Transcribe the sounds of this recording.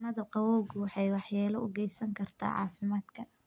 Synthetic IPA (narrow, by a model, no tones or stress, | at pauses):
nɐðɐqɑwɔwɣwɑħɑjwɑħjaːlɔʊɡɛjsɐŋkʰɐrt̪ʰa̰ːʕɑ̰ːfɪmaːd̪kʰɐ